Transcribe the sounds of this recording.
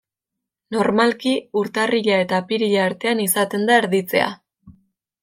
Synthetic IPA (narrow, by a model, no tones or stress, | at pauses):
no̞ɾmalkiuɾt̪ariʎae̞t̪apiɾiʎaːɾt̪e̞anisat̪e̞nd̪aeɾðit͡se̞̰a̰